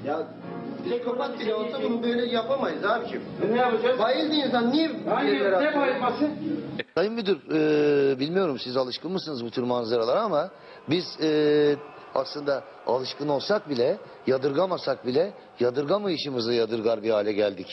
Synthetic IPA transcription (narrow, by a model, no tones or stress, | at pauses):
ja | ɛkʰoɾakbit̪ʰad̪ɯmbelʲɛjapamajɯzhaːbicʰi | imibajilʲd̪iinsanːijimaamasɯsʰajɯmbid̪yɾɯːbilʲmijo̞ɾumsizalˠɯʃkɯnmɯsɯnɯzbut̪ʰuɾmanzaɾalˠaɾama | biz̥ɛː | a̰slˠɯnd̪a | a̰lˠɯʃkɯno̞lˠsak̚bilʲɛ | jad̪ɯɾɡamasak̚bilʲɛ | jad̪ɯɾɡamajɯʃɯmɯzajad̪ɯɾɡaɾbihaːlʲɛɟælʲd̪ic